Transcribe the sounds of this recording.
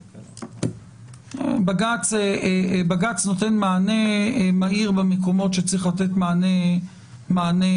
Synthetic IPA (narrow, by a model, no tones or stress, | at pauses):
baɡat͡sebaɡat͡sno̞t̪enmaːnemaiʁbemeko̞mo̞tʃet͡sʁiχlat̪et̪mane | maːne